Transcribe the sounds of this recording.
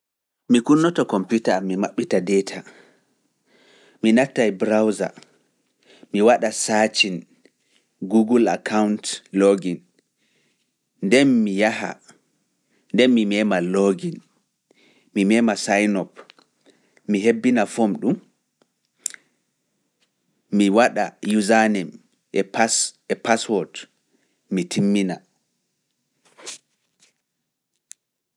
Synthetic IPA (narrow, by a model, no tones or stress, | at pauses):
mikunːɔtɔkɔmputamːimaɓːitadɛtʰa | minatːajbɾawza̰ | miwaɗasat͡ʃin | ɡuɡula̰kʰawntloɡin | ndɛnmijaha̰ | ndɛnmimɛːmaloɡin | mimɛːmasajnɔp | miɦebːinafomɗum | miwaɗajuzanɛm | ɛpsɛpaswɔt | mitʰimːina